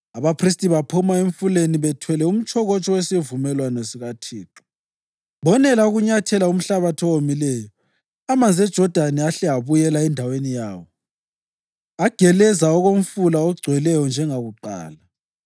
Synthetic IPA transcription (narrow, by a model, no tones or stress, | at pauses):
aβapʰris̬tʼiβapʰumaeɱfuleniβɛtʰwɛlɛum̩t͡ʃʰʼɔɣɔt͡ʃʼɔwesivumɛlwanɔsiɣatʰiːǁɔ̥ | βɔnɛlauɣuɲatʰɛlaum̩ɬaβatʰɔwomilɛːjɔ | amand͡zʱɛd̥ʒ̥ʱɔd̥ʱanɛaɬɛaβujɛlaɛndʱawenijaːwɔ | aɡ̥ʱɛlɛzaɔɣom̩fulaɔɡ͡ǀʱwɛlɛjɔnd͡ʒʱɛŋaɣuǃa̰ːla